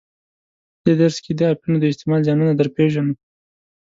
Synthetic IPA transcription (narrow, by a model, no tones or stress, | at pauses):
d̪̥ed̪aɾsked̪əɑpjunod̪əɪst̪emɑlzɑnunad̪əɾpeʒanu